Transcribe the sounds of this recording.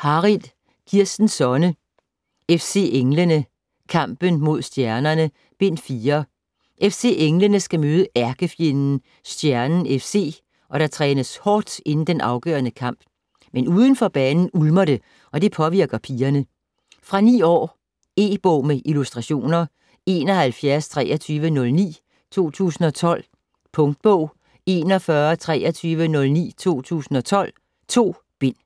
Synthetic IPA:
hɑ̈ʁiðˠ | kʰiɐsd̥n̩sɒ̽nə | efse̝̰ːeŋlənə | kʰɑ̈m̰b̥ənmo̝ð̞̰ˠsd̥jæɐnɐnə | b̥e̝n̰fiːɐ | ʔefse̝̰ːʔeŋlənəsɡ̥æmøːð̞ˠəʔæɐɡ̥əfje̝nn̩ | sd̥jæɐnn̩efse̝̰ː | ʔɒ̽ɾ̥ɑ̈t͡sʰʁɛ̰ːnəshɒ̰ːd̥e̝nn̩d̥enʔɑ̈ʊɡ̥œ̰ːɐnəkʰɑ̈m̰b̥ | menuːð̞ˠən̩fɒ̽b̥ɛːnn̩ulmɐɾe̝ | ʔɒ̽d̥e̝pʰɒ̽ʋiɐ̰ɡ̥ɐpʰiːɐnə | fʁɑ̈nḭːɒ̰ː | e̝ːb̥ɔʊmeʔilusd̥ʁɑ̈ɕo̝̰ːnɐ | e̝ːnɒ̽hælfjæɐst͡sʰʁɛːɐt͡sʰyːʋənɔ̽lnḭː | t͡sʰo̝̰ːt͡sʰṵːsn̩ɒ̽t͡sʰɒ̽l̰ | pʰɔ̽ŋd̥̚b̥ɔʊ̰ | e̝ːnɒ̽fɶːɐt͡sʰʁɛːɐt͡sʰyːʋənɔ̽lnḭːt͡sʰo̝̰ːt͡sʰṵːsn̩ɒ̽t͡sʰɒ̽l̰ | t͡sʰo̝̰ː | b̥e̝n̰

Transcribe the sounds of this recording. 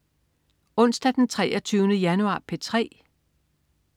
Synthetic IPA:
ɔ̽n̰sd̥æd̥ent͡sʰʁɛːɐt͡sʰyːʊnəjænuɑ̰̈ːpʰet͡sʰʁɛ̰ː

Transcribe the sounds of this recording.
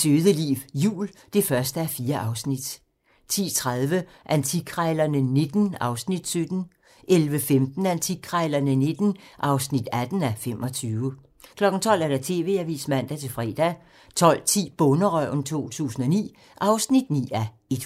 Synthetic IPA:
søːðˠəlḭːʋjṵːld̥e̝fɶɐsd̥əæɐfiːɐʔɑ̈ʊsnid̥ | t͡sʰḭːt͡sʰʁað̞ˠʋə | ʔænt͡sʰiɡʰʁɑɪlɐnəne̝d̥n̩ɑ̈ʊsnid̥sød̥n̩ | ʔelʋəfemd̥n̩ænt͡sʰiɡʰʁɑɪlɐnəne̝d̥n̩ʔɑ̈ʊsnid̥æd̥n̩æfem̰ʔɒ̽t͡sʰyːʊə | kʰlɒ̽ɡ̥n̩t͡sʰɒ̽l̰æɐ̥ɑ̈t͡sʰe̝̰ːʋe̝̰ːæʋḭːsmæn̰d̥æt͡sʰe̝fʁɛ̰ːd̥æ | t͡sʰɒ̽l̰t͡sʰḭːb̥ɔ̽nəʁœʊ̰nt͡sʰo̝̰ːt͡sʰṵːsn̩ɒ̽nḭː | ʔɑ̈ʊsnid̥nḭːæ | e̝d̥

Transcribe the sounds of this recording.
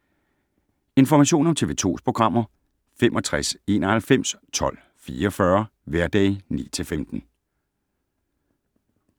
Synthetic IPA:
e̝nfɒmæɕo̝̰ːnɒ̽mt͡sʰe̝ːʋe̝t͡sʰo̝̰ːspʰʁo̝ɡ̥ʁɑ̈m̰ɐ | femʔɒ̽t͡sʰʁase̝̰ːnɐhælfem̰st͡sʰɒ̽l̰ | fiːɒfɶɐʋæɐd̥ɛ̰ɪnḭːt͡sʰe̝lfemd̥n̩

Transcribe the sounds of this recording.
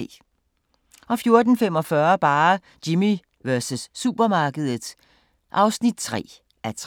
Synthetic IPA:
ʔɒ̽fjo̝ɐd̥n̩femɒ̽fɶɐb̥ɑ̈ː | d̥imi | ʋɶɐsəsːub̥ɐmɑ̈ːɡ̥əð̞ˠð̩ˠs | ʔɑ̈ʊsnid̥̚t͡sʰʁɛ̰ː | ʔæt͡sʰ

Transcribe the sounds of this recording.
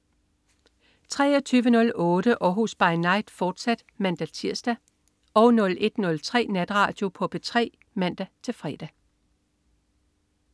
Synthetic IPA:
t͡sʰʁɛ̰ːɒt͡sʰyːʋənɔ̽lɔ̽ːd̥əʔɒːɦusb̥ɑ̈ɪnɑ̈ɪ̰d̥fɒːd̥sæd̥mænd̥æt͡sʰiɐsd̥æ | ɒ̽ʊnɔ̽lʔe̝d̥nɔ̽lt͡sʰʁɛ̰ːnæd̥ʁɑ̰̈ːd̥jo̝pʰɒ̽b̥et͡sʰʁɛ̰ː | mæn̰d̥æt͡sʰe̝lfʁɛd̥æ

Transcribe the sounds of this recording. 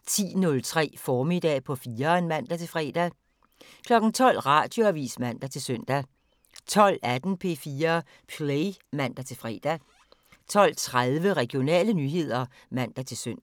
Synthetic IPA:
t͡sʰḭːnɔ̽lt͡sʰʁɛ̰ːfɒːmid̥ɛ̰ːpʰɒ̽fiːɐenmæn̰d̥æt͡sʰe̝lfʁɛ̰ːd̥æ | kʰlɒ̽ɡ̥n̩t͡sʰɒ̽l̰ʁɑ̈d̥jo̝æʋḭːsmæn̰d̥æt͡sʰe̝lsøn̰d̥æ | t͡sʰɒ̽l̰æd̥n̩pʰe̝̰ːfiːɐ | pʰlemæn̰d̥æt͡sʰe̝fʁɛ̰ːd̥æ | t͡sʰɒ̽l̰t͡sʰʁaðˠʋəʁɛɡ̥ijo̝nɛ̰ːlənyːɦe̝ð̞̰ˠɐ | mæn̰d̥æt͡sʰe̝lsøn̰

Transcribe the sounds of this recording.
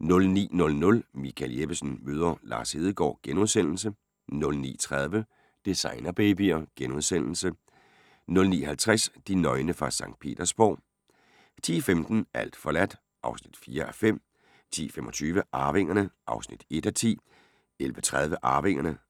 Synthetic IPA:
nɔ̽lnḭːnɔ̽lnɔ̽lmikʰæleb̥əsn̩møːð̞ˠɐlɑ̈ːshe̝ːð̞ˠəɡ̥ɒ̰ːɡ̥enuðˠsen̰l̩s̬ə | nɔ̽lnḭːt͡sʰʁað̞ˠʋə | d̥isɑ̈ɪnɐb̥eːb̥iɒɡ̥enuðˠsen̰l̩sə | nɔ̽lnḭːɦhælt͡sʰʁasd̥inɒ̽ɪnəfʁɑ̈sɑ̈ŋ̰d̥̚pʰe̝̰ːd̥ɐsb̥ɒ̰ː | t͡sʰḭːfemd̥n̩æl̰d̥fɒ̽læd̥ | ʔɑ̈ʊsnid̥fiːɐʔæfem̰ | t͡sʰḭːfemʔɒ̽t͡sʰyːʋəʔɑ̈ːʋe̝ŋ̰ɐnəʔɑ̈ʊsnid̥e̝d̥æt͡sʰḭː | elʋət͡sʰʁað̞ˠʋəʔɑ̈ːʋe̝ŋ̰ɐnə

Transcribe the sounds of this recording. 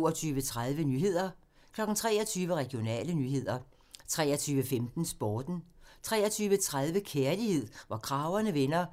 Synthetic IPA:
ɐt͡sʰyːʋət͡sʰʁað̞ˠʋənyːɦe̝ð̞̰ˠɐ | kʰlɒ̽ɡ̥n̩t͡sʰʁɛːɐt͡sʰyːʋəʁɛɡ̥jo̝nɛ̰ːlənyɦe̝ð̰ˠɐ | t͡sʰʁɛ̰ːɐt͡sʰyːʋəfemd̥n̩sb̥ɒːd̥n̩t͡sʰʁɛːɐt͡sʰyːʋət͡sʰʁaðˠʋəkʰeɐlihe̝ð̞̰ˠʋɑkʰʁɑ̈ʊɐnəʋenɐ

